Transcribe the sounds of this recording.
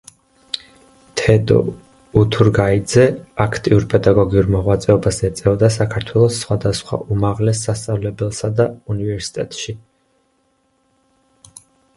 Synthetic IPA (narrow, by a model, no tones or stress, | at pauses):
t̪ʰɛd̪ʼɔ̰ | ut̪ʰuɾɡaid̪zɛakʰt̪ʼiuɾpʰɛd̪aɡɔɡiuɾmɔʁwat̪sʼɛɔbasɛt̪sʼɛvɔd̪as̬akʰaɾt̪ʰwɛlˠɔsːχwad̪asχwa̰ʔumaʁlɛsːast̪sʼavlɛbɛlˠsad̪aunivɛɾsi̥t̪ʼɛt̪ʼʃi